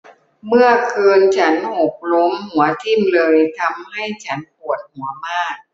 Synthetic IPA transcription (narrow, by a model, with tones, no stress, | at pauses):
mɯ˥˩ɐkʰɤː˧nt͡ɕʰa˦˥nʔo˨˩k̚lo˦˥mhu˩˦ɐt̪ʰi˥˩mlɤː˧jt̪ʰa˧mha˥˩jt͡ɕʰa˦˥np̚ʰu˨˩ət̪̚hu˩˦ɐmaː˥˩k̚